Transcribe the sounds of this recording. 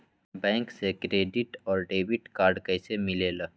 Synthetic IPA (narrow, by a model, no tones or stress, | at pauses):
bɛ̃ːŋksekɾeːɖɪʈɔːɾɖeːbɪʈkaːɾɖkəɪsemɪlela